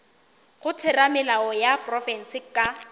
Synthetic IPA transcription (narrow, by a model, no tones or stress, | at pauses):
χʊtʰɪramɪlaɔjaprɔfɛn̩sɪkʼa